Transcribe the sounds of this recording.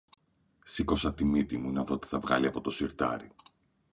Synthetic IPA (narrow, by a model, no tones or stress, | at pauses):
siko̞sɐt̪imit̪imunɐðot̪i̥θɐvɣɐ̰liɐpo̞t̪o̞siɾt̪ɐ̰ɾi